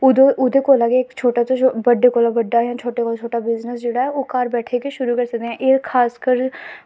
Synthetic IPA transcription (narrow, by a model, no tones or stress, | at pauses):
ʊd̪ʔʊd̪eːkoːlaːɡeeːkt͡ʃʰoːʈat̪õbəɖekoːlabəɖːaːɦɛ̃t͡ʃʰoːʈekoːt͡ʃʰoːʈabɪznəsd͡ʒeːɽaːɦɛoːkaːɾbɛːʈʰekeʃʊɾuːkəɾsək̚d̪eɦɛ̃ːʔɪɾkʰaːskəɾ